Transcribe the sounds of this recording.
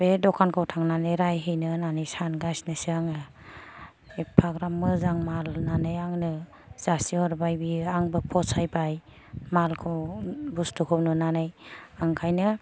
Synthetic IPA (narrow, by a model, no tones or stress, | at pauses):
bedɔkʰankʰawtʰaŋnanɯjɾajɦɯjnɯnanɯjsanɡasnɯsiaŋɯ | epʰaɡɾamːɯzaŋmalnanɯjaŋnɯ | z̥asiɔɾbajbiaŋbɯpʰɔsajbaj | malkʰɯwbustʰukʰɯwnɯnanɯjaŋkʰajnɯ